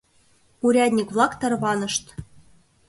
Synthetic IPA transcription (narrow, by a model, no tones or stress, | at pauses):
uɾʲæd̪ʲnʲikβlˠɑkt̪ɑrβɑnɤ̆ʃt̪